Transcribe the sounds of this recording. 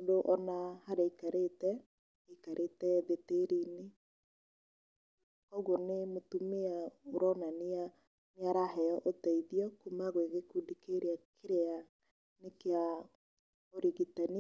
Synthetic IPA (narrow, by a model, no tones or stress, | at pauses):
ondoʔɔnahaɾaikaɾetɛ | ekaɾʔetɛðeteɾine | kɔɣɔnemotumeaoɾɔnania | mjaɾahɛɔʔotaiðiɔkumaɣweɣekudikeɾeakʰeɾea | nekea | oɾiɣitani